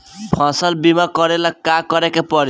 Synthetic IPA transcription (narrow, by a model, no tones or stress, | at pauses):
pʰãsəlbimakʌɾelakkːakʌɾekepɔɾ